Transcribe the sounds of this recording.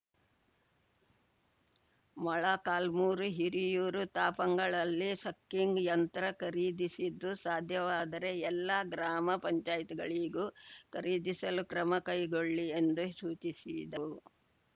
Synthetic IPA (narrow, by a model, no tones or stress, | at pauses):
mɐɭɐkaːlmuːɾuɦiɾijuːɾut̪aːpɐŋɡɐɭɐlːisɐkːiŋɡjɐnt̪ɾɐkɐɾiːd̪isid̪ːusaːd̪ʱjɐʋaːd̪ɐɾe̞ɛlːɐɡɾaːmɐpɐɲt͡ʃaːjit̪iɡɐɭiɡuːkɐɾiːd̪isɐlukɾɐmɐkɐjɡoɭːiend̪usuːt͡ʃisid̪ɐu